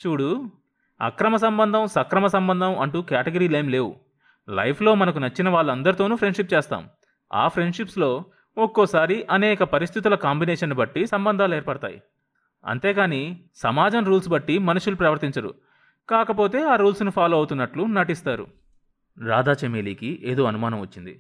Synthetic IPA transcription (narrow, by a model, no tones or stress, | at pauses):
t͡ʃuːɽu | ɐ̰kɾɐmɐs̬ɐmbɐnd̪ʱɐmsɐkɾɐmɐsɐmbɐnd̪ʱɐmɐɳʈukjaːʈɐɡɐɾiːlejmle̞ːwu | lɐ̰jpʰlo̞ːmɐnɐkunɐt͡ʃːinɐʋaːɭːuɐnd̪ɐɾit̪o̞ːnupʰɾeɳɖʂip̚t͡ʃeːst̪a̰ːm | a̰ːpʰɾe̞ɳɖʂipslo̞ː | ɔkːɔːsaːɾiʔɐnɛːkɐpɐɾist̪ʰit̪̬ulɐkaːmbinɛːʂɐnːubɐʈːisɐmbɐnd̪ʱaːlɛːɾpɐɽɐt̪a̰ːjḭ | ɐ̰nt̪e̞ːɡaːni | sɐmaːd͡ʒɐmɾuːlsbɐʈːimɐnuʂulupɾɐʋɐɾt̪iɲt͡ʃɐɾṵ | kaːkɐpo̞ːt̪e̞ːaːɾuːlsnupʰaːlo̞ːɐwut̪unːɐʈlunɐʈist̪aːɾṵ | ɾa̰ːd̪aːt͡ʃemeliːkiʔeːd̪o̞ːɐnumaːnɐmʋɐt͡ʃːind̪ḭ